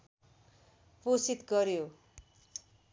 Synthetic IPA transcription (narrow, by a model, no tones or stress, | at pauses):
posit̪ɡʌɾjo